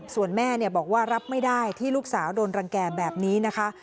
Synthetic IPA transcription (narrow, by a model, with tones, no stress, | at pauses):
su˨˩ənmɛː˥˩ni˥˩əbɔː˨˩k̚waː˥˩ɾa˦˥p̚ma˥˩jdaː˥˩jt̪ʰiː˥˩lu˦˥k̚saː˩˦wdoː˧nɾa˧ŋkɛː˧bɛː˨˩p̚niː˦˥na˦˥kʰa˦˥ʔ